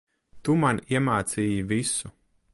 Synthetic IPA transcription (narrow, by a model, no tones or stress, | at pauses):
t̪umaniɛmaːt̪siːjivisu